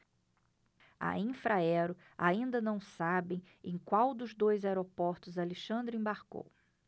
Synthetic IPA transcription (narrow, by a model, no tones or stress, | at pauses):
a̰ĩfɾaɛɾʊ | aĩnd̪ɐnɐ̃w̃sabẽj̃ | ẽj̃kwawd̪ʊzd̪ojzaeɾopɔɾt̪ʊzaleʃɐ̃nd̪ɾʊĩbaɾko̰w